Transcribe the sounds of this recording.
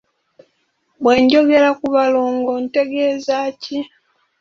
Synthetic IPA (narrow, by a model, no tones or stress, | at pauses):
βwe̞ːɲɟo̞ɡe̞ɾakuβaloːŋɡonte̞ɡeːzaːci